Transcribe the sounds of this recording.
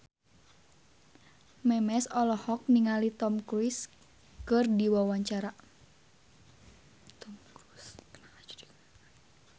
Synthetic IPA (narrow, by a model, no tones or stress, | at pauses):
mɛmɛsɔlɔhɔk̚niŋalit̪ɔmkɾuis | kɨrdiwawaɲt͡ʃaɾa